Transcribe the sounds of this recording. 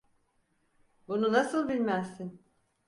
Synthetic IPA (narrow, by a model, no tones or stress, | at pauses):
bununasɯlˠbilʲmæzt̪in